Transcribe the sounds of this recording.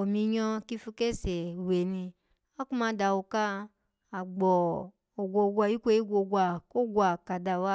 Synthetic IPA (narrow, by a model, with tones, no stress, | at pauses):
o˨mĩ˧ɲɔ̃˧ki˦fu˧ke˦˨se˨we˨nĩ˧ | a˦ku˦mã˨˦da˧˨wo˧ka˦ | a˨ɡ͡bɔ˨ | o˨ɡʷo˧˨˧ɡʷa˧˨ji˦kʷe˦i˦ɡʷo˧˨ɡʷa˨ko˦ɡʷa˨ka˨da˨wa˦